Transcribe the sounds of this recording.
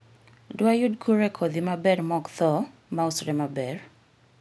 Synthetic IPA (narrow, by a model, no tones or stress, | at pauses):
dwajudkʰuɾekʰɔd̪imabɛɾmɔɡt̪ɔ | mausɾɛmabɛɾ